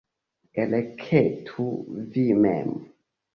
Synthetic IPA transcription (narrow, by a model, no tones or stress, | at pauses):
elekʰetʰuvimɛ̰m